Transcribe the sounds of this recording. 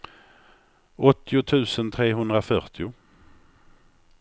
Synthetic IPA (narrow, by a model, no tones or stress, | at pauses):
ɔt̪ʰːɪʊt̪ʰʉ̟ːsənt̪ʰɾeːɦɵnd̪ɾafœɾt̪ʰɪʊ